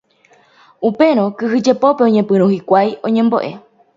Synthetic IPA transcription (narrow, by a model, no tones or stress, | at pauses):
upe̞ɾ̃õ̞kɨɦɨd͡ʒe̞po̞pe̞õɲẽpɨ̃ɾ̃ũhikʷajõ̞ɲẽ̞mbo̞̰ʔe̞̰